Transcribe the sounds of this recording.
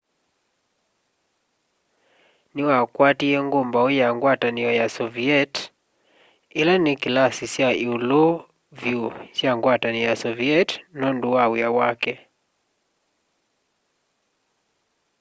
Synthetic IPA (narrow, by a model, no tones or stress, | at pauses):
niwakwatiɛŋɡombaɔjaŋɡwatanijɔjasɔviɛt | ilanikilasisjaiulɔ | vjusjaŋɡwatanijasɔviɛtnɔnduwawiawakɛ